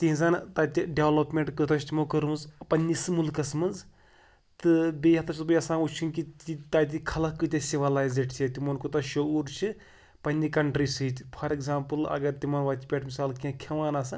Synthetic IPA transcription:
t̪ĩːzɐnt̪ɐt̪ʲiɖeʋlɐpmʲeɳʈkɨt̪ɐʃt̪ʲimokɐɾunzpɐnʲːisɨmulkɐsmɐnz | t̪ɨbʲeːɐt̪ʰɐt͡ʃʰbɐjɐsaːnut͡ʃʰunkit̪it̪aːt̪̬ʲikʰɐlɐkːɨt̪ʲɐsʲiʋɐlaːjzeʈt͡ʃʰʲet̪imɐnkut̪ɐʃɐuːɾt͡ʃʰɨ | pɐnʲːikɐɳʈɾiːsɨːt̪ʲpʰɐɾekzaːmpɨlɐ̰ɡɐɾt̪imɐnʋaːt̪ʲipʲeʈmisaːlkʲãkʲʰɐʋaːnaːsɨ

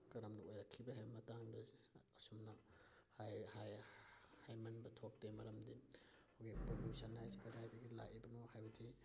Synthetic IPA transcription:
kɐɾɐmnɐojɾɐkʰːibɐhajbɐmɐtaŋdɐɐsumnɐ | hajhajhajmɐnbɐtʰok̚temɐɾɐmdi | owɡipɾolusɐnajspʰeɾajdiɡila̰kibɐnohajbɐdi

